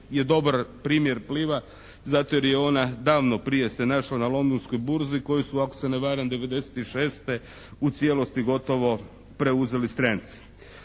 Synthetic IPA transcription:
je̞d̪o̞baɾpɾiːmje̞ɾpliːʋa | zat̪ooɾjeo̞nad̪aːʋno̞pɾije̞senaʃlanalˠo̞nd̪onsko̞jbuɾziko̞jisuako̥seneʋaːɾand̪e̞ʋe̞d̪e̞se̥t̪iʃe̞ːst̪e | ut̪sʲjelo̞st̪iɡo̞t̪o̞ʋo̞ | pɾeuze̞list̪ɾant̪si̥

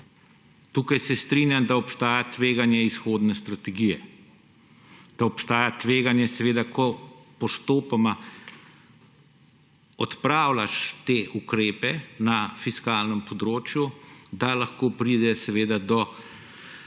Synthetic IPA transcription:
t̪uːkajsɛst̪ɾinjamd̪aɔpst̪aːjat̪ʋeːɡanjɛisxoːd̪nɛst̪ɾat̪ɛɡijɛ | d̪̥aɔpst̪aːjat̪ʋeːɡanjɛsɛʋeːd̪akʰɔpɔst̪oːpama | ɔt̪pɾaːwlaʃt̪eːʔukɾeːpɛnafiskaːlnəmpɔd̪ɾoːt͡ʃjud̪alaxkoːpɾid̪ɛsɛʋeːd̪ad̪ɔ

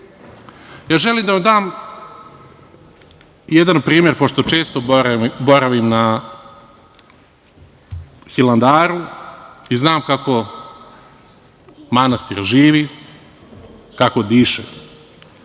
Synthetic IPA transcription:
jaːʒeliːmd̪amd̪aːm | jed̪anpɾiːmjeɾpo̞ʃt̪o̞t͡ʃe̞ːst̪o̞ɾbo̞ɾaʋimna | xiland̪aːɾu | iznaːmkako̞ | manast̪iɾʒiːʋi | kakod̪iːʃḛ

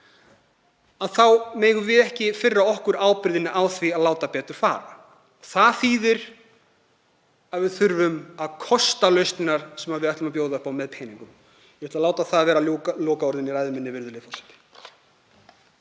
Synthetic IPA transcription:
aðθawmeːjɣʏvɪðɛhcɪfɪrːaɔhkʏɾaːwpɪɾðɪnːɪʔawθviaðlaːwt̪apɛːt̪ʏɾ̥faːɾa̰ | θaðθiːðɪɾ̥ | aðvɪθʏɾvʏmaðkʰɔst̪alœɥst̪ɪnaɾ̥sɛmavɪðɛht̪ʏmapjoːwðaʏhpawmɛðpʰeːjniŋkʏm | jɛvɛt̪alaːwt̪aθaðvɛːɾalɔːkaɔɾðɪniɾajðʏmɪnːɪvɪɾðʏlejfɔrsɛ̥t̪ɪ̥

